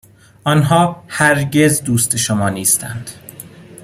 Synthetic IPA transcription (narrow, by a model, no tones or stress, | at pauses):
ʔɒnɦɒːhæɾɟe̞zd̪uːst̪e̞ʃomɒːniːst̪ʰæ̰nd̪̥